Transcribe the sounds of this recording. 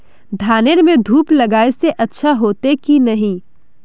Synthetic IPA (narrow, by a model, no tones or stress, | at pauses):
d̪ʱaːneɾmẽd̪ʱuːplɐɡaːeseʔɐtːʃʰaɦoːt̪ekinɐɦĩ